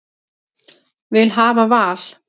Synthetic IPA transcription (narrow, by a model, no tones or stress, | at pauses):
vɪlɦaːvavaːl̥